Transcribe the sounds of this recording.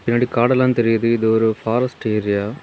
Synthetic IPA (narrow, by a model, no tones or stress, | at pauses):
pɪnːaːɽikaːɽɛlːaːnt̪ɛɾɪjɐðɯɪðɯɔɾɯfaːɾɐsʈeːɾɪja